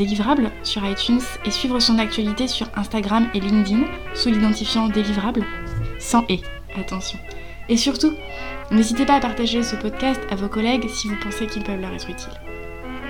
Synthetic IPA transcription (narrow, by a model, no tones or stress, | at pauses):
elivʁablsyʁajt̪yns | esɥivʁəsɔ̃nak̚t̪ɥalit̪esyʁɛ̃st̪aɡʁamelĩŋd̪iŋ | sulid̪ɑ̃t̪ifjɑ̃d̪elivʁablsɑ̃ʔe | at̪ɑ̃sjɔ̃ | esyʁt̪u | nezit̪epaːpaʁt̪aʒesəpɔd̪kʲast̪avokɔlɛɡsivupɑ̃sekʲilpœvlœʁɛt̪χyt̪ʰil